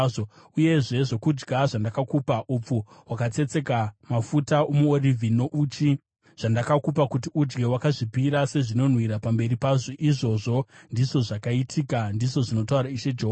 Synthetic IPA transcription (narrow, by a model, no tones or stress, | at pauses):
o | uje̞ʐe̞ʐo̞kud͡ʒɡaʐandakakupaʔup͡fowakat͡se̞t͡se̞kamafutaomuorivʱino̞ʔut͡ʃi | ʐ̥andakakup̬akut̬iud͡ʒɡe̞wakaʐipiɾase̞ʐino̞n̤wiɾapambe̞ɾipaʐoʔiʐo̞ʐo̞ndiʐo̞ʐakaitʰikandiʐo̞ʐino̞tauɾaiʃed͡ʒeɦoa